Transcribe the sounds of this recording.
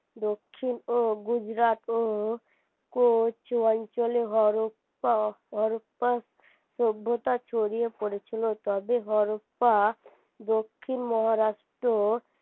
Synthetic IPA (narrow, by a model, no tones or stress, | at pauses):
d̪okʰːinoɡud͡ʒɾat̪o | kot͡ʃoɔnt͡ʃoleɦɔɾop | aɦɔɾopas | sobʱːot̪at͡ʃʰoɾijepɔɽet͡ʃʰilot̪ɔbeɦɔɾopːa | d̪okʰːinmɔɦaɾasʈo